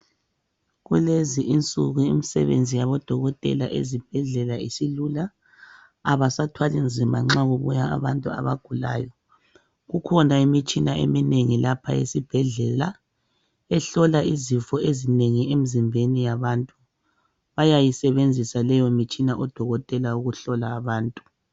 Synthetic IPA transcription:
ɣuleziʔint͡sʼuɣuḭmisɛ̰βḛnd͡zʱijaβɔd̥ʱɔɣɔtʼɛ̰laʔḛzib̥ʱɛɮɛlaisilulaː | βasatʰwalind͡zʱimaŋ͡ǁaɣuβujaa̰βantʼua̰βa̰ɡ̥ʱula̰ːjɔ | ɣukʰɔnaimit͡ʃʼinaʔḛmineŋilapʰa̰jḛsib̥ʱɛɮɛla | ɛɬɔlaizifɔezineŋiem̩zimbʱenijaβantʼu | βajajisɛβend͡zʱisalɛjɔmit͡ʃʼinaʔɔd̥ʱɔɣɔtʼɛlauɣuɬɔlaːβaːntʼu

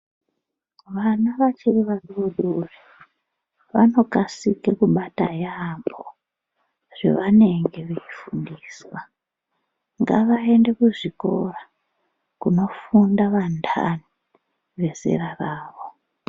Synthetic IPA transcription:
ʋanaʋat͡ʃiriʋaruoɗure | ʋano̞kasikekuɓatajambo̰ | ʐ̥e̞̰ʋane̞ŋɡe̞ʋejifundiːswa | ŋɡaʋae̞nde̞kuʐiko̞̰ra | kuno̞fundaʋandʰa̰ni | ʋe̞ze̞̰raraːʋo̞

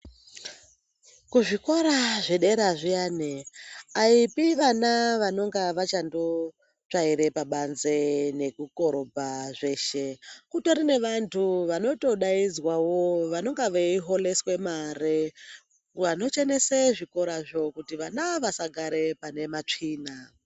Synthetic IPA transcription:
kuʐiko̞ɾaʐeɗe̞ɾaʐianeaipiʋanaʋano̞ŋɡaʋat͡ʃando̞ | t͡ʂaiɾe̞paɓanzene̞kuko̞ɾo̞bʱaʐe̞ʃekutoɾine̞ʋantʰuʋano̞to̞ɗaizwawoʋano̞ŋɡaʋeiɦo̞le̞swe̞maɾe | ʋano̞t͡ʃeneseʐiko̞ɾaʐo̞kutiʋanaʋasaɡʱaɾe̞pane̞mat͡ʂiːna

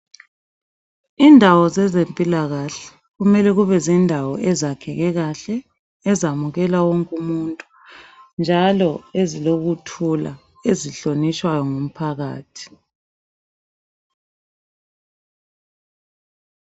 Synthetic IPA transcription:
iːndʱawɔzɛzempʼilaɣaɬɛ̥ | ɣumɛlɛɣuβɛzindʱawɔʔɛzakʰɛɣɛɣaɬɛː | zamuɣɛlawoŋkʼumuntʼu̥ | nd͡ʒʱalɔeziloɣutʰula̰ | eziɬonit͡ʃʼwajɔŋum̩pʰaɣa̰ːtʰi̥

